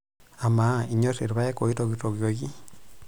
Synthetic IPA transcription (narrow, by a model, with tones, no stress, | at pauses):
a˨ma˨˦i˨ɲo˦se˨ɾβa˦je˦ko˨i˦toɣito˨ɣjoɣi˦